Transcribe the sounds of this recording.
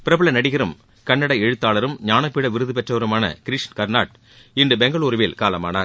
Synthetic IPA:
pɪɾɐbɯɭɐnɐɽɪɣɪɾɯm | kɐɳːɐɽɐɛɻɯt̪ːaːlɐɾɯmɲaːnɐpːiːɽɐʋɪɾɯðɯpɛʈrɐʋɐɾɯmaːnɐ̰kɪɾɪʂnkɐɾnaːʈ̚ | ɪndɯbɛŋɡɐɭuːɾʋɪlkaːlɐmaːnaːɾ

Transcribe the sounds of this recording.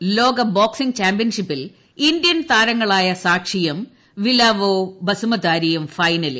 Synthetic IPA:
lo̞ːɡɐboːksiŋɡt͡ɕaːmpbijɐnʂipːil | ind̪jɐnt̪aːɾɐŋːɐɭaːjɐsaːkʂijɐm | ʋilaːʋoːbɐsumɐd̪aːɾijɐmfɐjnɐlḭ

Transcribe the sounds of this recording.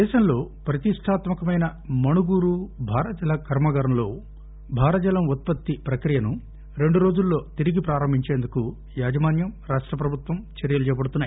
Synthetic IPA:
d̪ɛːʃɐmlo̞ːpɾɐt̪iʂʈʰaːt̪mɐkɐmɐjnɐmɐnuɡuːɾubʱaːɾɐd͡ʒɐlɐkɐɾmɐɡɐɾɐmlo̞ː | bʱaːɾɐd͡ʒɐlɐmut̪̚pɐt̪ːipɾɐkɾijɐnu | ɾe̞ɳɖuɾo̞ːd͡ʒulːo̞ːt̪iɾiɡipɾaːɾɐmbʱiɲt͡ʃe̞ːnd̪uku | jaːd͡ʒɐmaːnjɐmɾaːʂʈɾɐp̬ɾɐbʱut̪ʋɐmt͡ʃɐɾjɐlut͡ʃɛːjɐpɐɽut̪unːaːj

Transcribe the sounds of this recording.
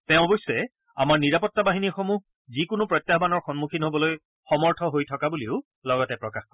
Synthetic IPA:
tɛ̃ʊ̃ɔbɔjsːɛ | a̰maɹniɹapɔtːabaɦinixɔmuɦ | zikʊnʊpɹɔt̪jabanɔɹxɔnmukʰinɦobɔloj | xɔmɔɹtʰɔɦojtʰɔkabuliʊ | lɔɡɔtɛpɹɔkaxkɔ

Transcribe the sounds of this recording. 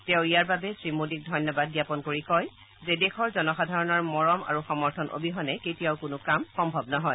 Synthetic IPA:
tɛʊ̃ijaɹbabɛsɹimodik̚dʱɔjnjɔbad̚ɡjapɔnkoɹikɔj | zedexʰɔɹzɔnɔxadʱaɹɔnɔɹmɔɹɔma̰ɹuxɔmɔɹtʰɔnʔo̰bʱiɦɔnɛketijaʊkʊnʊkamxɔmbʱɔbnɔɦɔj

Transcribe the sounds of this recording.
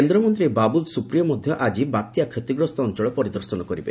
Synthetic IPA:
end̪ɾɔmɔnt̪ɾebabulsupɾijɔmɔd̪ʱjɔʔad͡ʒibat̪jakʰet̪iɡɾɔst̪ɔːnt͡ʃɔɭɔpɔɾid̪ɔɾsɔnɔkɔɾibe

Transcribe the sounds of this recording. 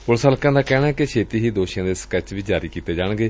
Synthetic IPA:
pʊlsəlkãːd̪aːkɛːɽaːɛkeʃʰeːt̪iːɦiːd̪oːʃijãːd̪eːskɛt͡ʃʋiːd͡ʒaːɾiːkiːt̪eːd͡ʒaːɳɡeː

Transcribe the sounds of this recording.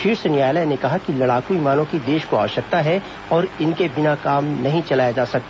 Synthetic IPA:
ʃiːɾsɐnjaːjlənekɐɦakilɐɽaːkuiːmaːnõkid̪eːʃkoa̰ːʋʃɐk̚t̪aɦɛ | ɔːɾɪnkebɪnakaːmnɐɦĩt͡ʃɐlaːjad͡ʒaːsɐk̚t̪a

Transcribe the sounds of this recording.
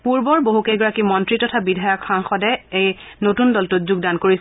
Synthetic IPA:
puɹbɔɹboɦukejɡɔɹakimɔntɹitɔtʰabidʱajɔkxaŋxɔdɛej | notundɔltuzuɡ̚dankoɹis

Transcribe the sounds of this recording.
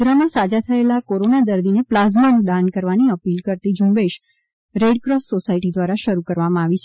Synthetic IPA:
ɾamãsad͡ʒat̪ʰəelakoɾonad̪əɾd̪ineplazmənũd̪ankəɾʋaniəpilkəɾt̪id͡ʒũmbeʃ | ɾeɖkɾɔssosaiʈid̪ʋaɾaʃəɾukəɾʋamãaʋit͡ʃʰe

